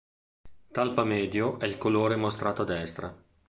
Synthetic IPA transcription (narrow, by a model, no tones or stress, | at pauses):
t̪alpamɛːd̪joʔɛilkoloːɾemost̪ɾaːt̪oad̪ːɛst̪ɾa